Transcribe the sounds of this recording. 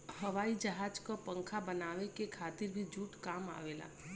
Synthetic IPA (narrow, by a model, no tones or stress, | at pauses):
həʋaːid͡ʒəɦaːd͡ʒkopə̃ŋkʰabənaːʋekekʰaːt̪ɪɾbʱid͡ʒuːʈkaːma̰ːʋeːla̰ː